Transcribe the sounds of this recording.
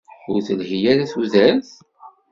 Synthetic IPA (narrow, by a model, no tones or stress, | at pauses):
ʊɾθəlhijæɾæθuðæɾθ